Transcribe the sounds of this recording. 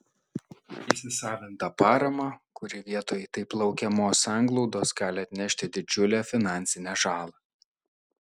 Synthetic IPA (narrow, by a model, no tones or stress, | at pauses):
isʲɪsɑːʋʲɪnt̪ɐpɑːɾɐmɑkʊɾʲɪʋʲiɛt̪oːjɛt̪ɐɪplˠɐʊkʲɛmoːsɑˑŋɡlˠɔʊd̪oːsɡɑːlʲɪɐt̪ʲnʲɛʃʲt̪ʲɪd̪ʲɪd͡ʒʲʊlʲæːfʲɪnɑˑnʲsʲɪnʲæʒɑːlˠɑ